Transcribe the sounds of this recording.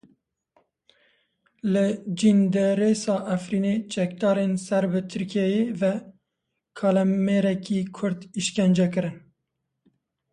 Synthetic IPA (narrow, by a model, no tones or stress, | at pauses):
lɨd͡ʒind̪ɛɾesɑːʔæfɾiːneːt͡ʃɛk̚d̪ɑːɾensɛɾbɨt̪ʰɨɾkʰiɛjeːvɛ | kʰɑːlɛmmeːɾɛkiːkʰʊɾd̪iʃkɛnd͡ʒɛk̬ɨɾɨn